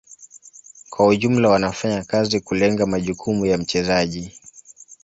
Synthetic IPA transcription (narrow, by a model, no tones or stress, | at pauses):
kwauʄum̩lawanafaɲakazikulɛŋɡamaʄukʰumujam̩t͡ʃɛzaʄi